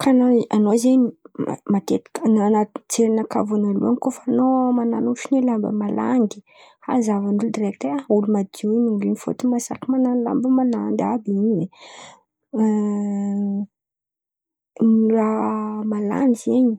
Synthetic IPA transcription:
kʰanaanozeɲima̰mat̪et̪i̥kənanat̪t͡seɾinaka̰vanalṵanikofanomananuʃinelambə̰mala̰ŋɡi̥ | ha̰zavanuld̪irɛk̚t̪eaulumad̪ewiniulinifo̰t̪imasakimananla̰mbəmanand̪abiɲiwe | niramala̰nizeɲi

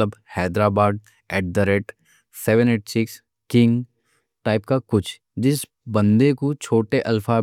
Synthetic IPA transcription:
əbhɛːd̪ɾaːbaːd̪̚ | ɛːʈ̚d̪əɾeʈ | sɛʋə̃neːʈsɪks | kɪ̃ŋɡ | ʈaːɪp̚kakʊt͡ʃʰ | d͡ʒɪs | bɐ̃nd̪ekut͡ʃʰoːʈeʔɐlfa

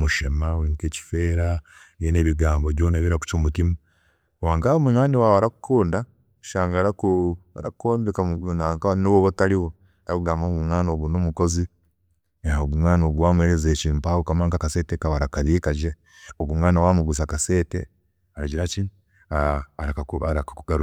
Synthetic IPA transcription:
muʃemawiŋkeːci̥feːɾa | jeneβiɡaːmboβjoːnaβiɾaku̥t͡ʃomutima | waːŋkaomuŋaːniwawaɾaku̥kʰuːnda | ʃaːŋɡaːɾakuaɾakoːndekaunakanoβoβotaliwo | aɾakuɡaːmbaoβumŋaːnoɡunomuko̞zi | aoɡumŋaːnoɡwaːmuheɾezeːcimpaokamaːŋkakasetekawaɾakaβikaʒe | oβumŋaːnawaːmuɡus̬akase̞ːtḛ | aɾaɟiɾat͡ʃin | aːɾakaaɾakakuɡaɾu

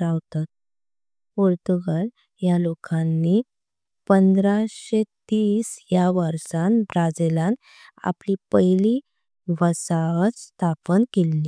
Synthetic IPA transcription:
ɾawt̪at̪̚ | poɾt̪uɡal | jalokanːi | pənd̪ɾaɕet̪iːsjaʋəɾsãnbɾad͡zelãn | a̰plipəjli | ʋəsat͡sst̪ʰapənkelːiː

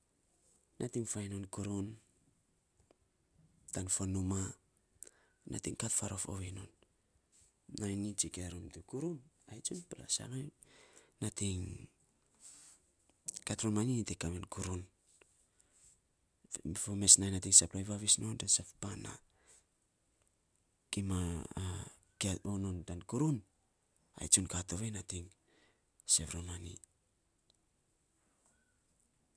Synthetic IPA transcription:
nʔatiŋfajnonkuɾun | tanfonuma | na̰tiŋkatfaɾofo̰βenon | ajnit͡ʃikeɾumtukuɾun | ajt͡ʃunpela̰sa̰ŋaj | natiŋ | katɾunmaninitekamenkuɾun | fomesnajnatiŋsaplojβaβisnondansappana̰ | kima | kaonondankuɾun | a̰jt͡ʃunkato̞βenatiŋ | seβɾomanḭ

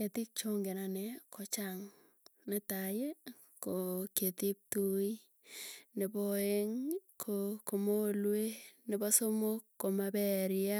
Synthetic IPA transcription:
ketɪk̚t͡ʃoŋɡenanekʰot͡ʃaŋ | netaje | koketip̚tui | nebɔeŋkʰokomolwenɪbɔsomokːomabɛɾɪa

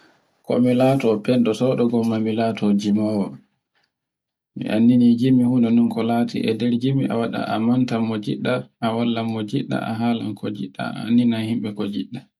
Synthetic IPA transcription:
kɔ̰milatɔpɛnɗɔsɔɗɔɡɔmːamilatʰɔd͡ʒimawɔ | mḭʔanːinid͡ʒimːihunɔnunkɔlaːtʰḭʔɛdɛɾd͡ʒimiʔa̰waɗa̰ʔamantamɔd͡ʒḭɗːaʔawalːamːɔd͡ʒiɗːa̰a̰ɦaːla̰nkʰɔd͡ʒiɗːa̰a̰nːinahimɓɛkɔd͡ʒiɗːa

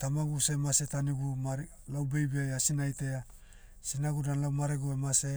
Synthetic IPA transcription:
tamaɡusemase̞taniɡuma | lawbejbejasinajte̞a | sinaɡudanlawmaɾeɡoemase

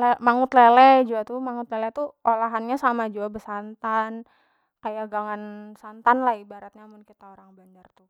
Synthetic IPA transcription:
lemaŋʊt̪lelɛd͡ʒuat̪umaŋʊt̪lelɛt̪uolaɦanɲasamad͡ʒuabəsant̪an | kajaɡaŋansant̪anlahibaɾat̪̚ɲamʊnkit̪aoɾaŋbaɲd͡ʒart̪u

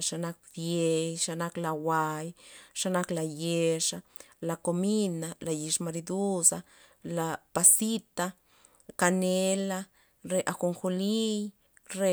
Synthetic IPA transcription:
ʃanak̚d̪jejʃanaklawajʃanaklajeʂa | lakominalajiʂmaɾid̪usa | lapasit̪a | kanela | ɾeʔaxoŋxolij | ɾe

